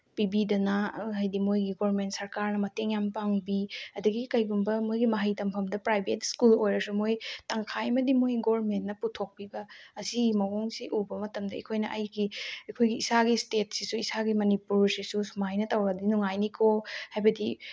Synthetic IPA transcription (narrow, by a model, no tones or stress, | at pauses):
pibidɐnaɦajdimojɡiɡoɐɾment̚sɐɾkaɾnɐmɐteŋjampaŋbiɐdɐɡikɐjɡumbɐmojɡimɐɦɐjtɐmpʰɐmdɐpɾajbʱetskulojɾɐsumojtaŋkʰajmɐdimojɡoɐɾmentnɐputʰok̚pibɐːziɡimɐwoŋsiʔubɐmɐtɐmdɐɐ̰kʰojnɐʔɐjɡiɐkʰojɡiisaɡistet̚sisuisaɡimɐnipuɾsisusumajnɐtɐwɡɐdinuŋajnikʰohajbɐdi